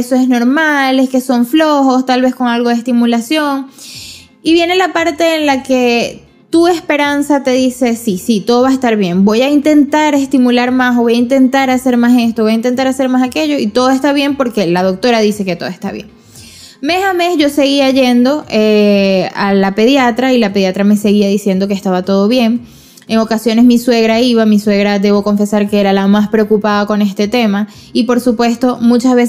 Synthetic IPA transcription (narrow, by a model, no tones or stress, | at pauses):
soesno̞ɾmale̞ske̞so̞ɱflo̞xo̞st̪alβe̞sko̞ŋalɣo̞ð̞est̪imulasjo̞ŋ | iβje̞ne̞lapaɾt̪e̞ːnlake̞ | t̪uespe̞ɾansat̪e̞ðise̞sisit̪o̞ðo̞βaest̪aɾβje̞mbo̞jaint̪e̞nt̪aɾe̞st̪imulaɾmaso̞βo̞jaint̪e̞nt̪aɾase̞ɾmase̞st̪o̞βo̞jaint̪e̞nt̪aɾase̞ɾmasake̞ʝo̞it̪o̞ðoe̞st̪aβ̞je̞mpo̞ɾke̞lað̞o̞k̚t̪o̞ɾaðise̞ke̞t̪o̞ðoe̞st̪a̰βje̞̰ŋ | me̞same̞sʝo̞se̞ɣiaʝe̞nd̪o̞ʔealape̞ðjat̪ɾailape̞ðjat̪ɾame̞se̞ɣiaðisje̞nd̪o̞kest̪aβat̪o̞ð̞o̞βje̞ŋ | e̞ŋo̞kasjo̞ne̞smiswe̞ɣɾaiβamiswe̞ɣɾad̪e̞βo̞ko̞ɱfe̞saɾke̞eɾalamaspɾe̞okupaðako̞ne̞st̪e̞t̪e̞ma | ipo̞ɾsupwe̞st̪o̞mut͡ʃazβes